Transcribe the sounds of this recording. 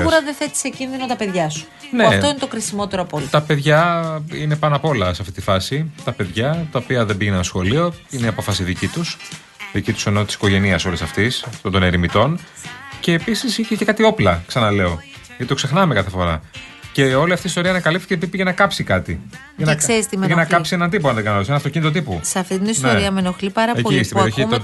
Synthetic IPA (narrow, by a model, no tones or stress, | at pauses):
ɾɐðeθe̞t̪i̥secinðino̞t̪ɐpe̞ðʝɐsu̥ | neɐfoinet̪okɾisimo̞t̪e̞ɾoɐpolit̪ɐpe̞ðʝɐine̞pɐnɐpo̞lɐseɐft̪it̪ifɐsit̪ɐpe̞ðʝɐt̪ɐopiɐðe̞mbiʝenenɐsxo̞lio̞ineiɐpo̞fɐsiðicit̪us | ðicit̪u̥seno̞t̪isi̥ko̞ʝe̞niɐso̞lisɐft̪isft̪ond̪oneɾimit̪o̞n | ce̞ːpisisiçecekɐt̪io̞plɐksɐnɐle̞o̞ | ʝɐt̪it̪o̞kse̞xnɐmekɐθefo̞ɾɐ̰ | ce̞o̞liɐft̪iːst̪o̞ɾiɐnɐkɐlip̚t̪i̥cepipiʝɐnɐkɐpsikɐt̪i | ʝɐnɐkseɾist̪imeenɐkkɐpsienɐnd̪ip̬oɐnðeɡɐnsenɐft̪o̞cinit̪ot̪̬ipusɐft̪it̪inistnoeɾiɐmenoxlipɐɾɐeoist̪beɾioio